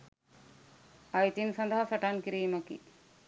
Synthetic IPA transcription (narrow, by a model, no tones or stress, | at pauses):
ɐjt̪insɐnd̪ɐɦɐfɐʈankiɾiːmɐkḭ